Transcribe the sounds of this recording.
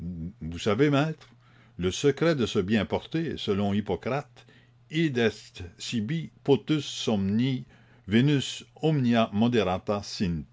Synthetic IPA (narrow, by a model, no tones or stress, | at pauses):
vusavemɛːt̪ʁ | ləsəkʁɛd̪əsəbjɛ̃pɔʁt̪esəlɔ̃ipɔkʁat̪ | id̪ɛst̪ːibipot̪ysːɔmni | venysɔmnjamɔd̪eʁat̪asin